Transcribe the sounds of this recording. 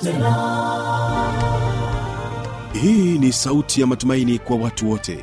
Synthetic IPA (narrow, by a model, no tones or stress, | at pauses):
hiːnisautʰijamatumainikwawatuwɔtʰɛ̰